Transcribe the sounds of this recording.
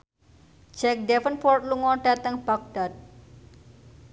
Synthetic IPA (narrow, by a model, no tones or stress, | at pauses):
d͡ʒɛk̚dɛfənfɔrt̪̚luŋɔɖ̥at̪əŋb̥ak̚ɖ̥at̪̚